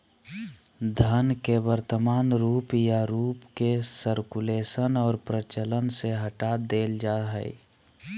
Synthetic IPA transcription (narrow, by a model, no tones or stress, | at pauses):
d̪ʱənkewəɾt̪əmaːnɾuːpjaɾuːpkesəɾkuleːsənɔːɾpɾət͡ʃələnseɦəʈad̪eːld͡ʒaːɦə̰ḭ